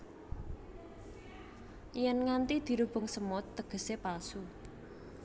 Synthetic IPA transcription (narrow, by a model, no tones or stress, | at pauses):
jɛnŋant̪id̪̥i̤ɾub̥ʊ̤ŋsəmɔt̪ːəɡ̥ə̤sepalsu